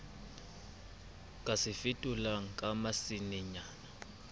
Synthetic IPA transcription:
kʼasɪfitʼulaŋ̩kʼamasiniɲaːna

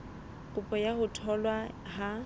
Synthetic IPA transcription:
kʼʊpʼɔjahʊtʰɔlwa | ha

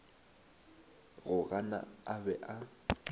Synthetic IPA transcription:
ɣʊɣana̰abɛʔa

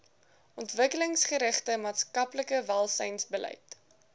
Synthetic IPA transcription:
ɔntvəkələŋsχəɾəχtəmɑːtskɐpləkəvælˠsəjnsbəlʔɛ̰jt

